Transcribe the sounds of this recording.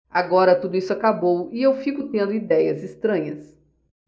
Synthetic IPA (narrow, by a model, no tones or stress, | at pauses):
aɡɔɾɐt̪ud̪ʊisʊakabowɪewfikʊt̪ẽnd̪ʊid̪ɛjɐzɪst̪ɾɐ̃ɲɐs